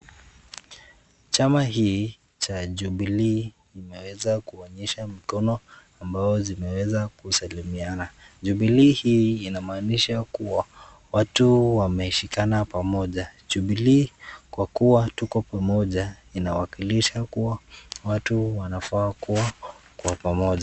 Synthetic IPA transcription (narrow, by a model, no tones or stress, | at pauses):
t͡ʃamaɦiː | t͡ʃaʄuɓiliː | imɛwɛzakuɔɲiʃam̩kɔnɔambazɔzimɛwɛzakusalimianaʄuɓilihiːnamaːniʃakuwa | watuwamɛiʃikanapamɔʄaʄuɓiliːkwakuwatukɔpamɔʄa | inawakiliʃakuwawatuwanafaːkuwakwapamɔʄa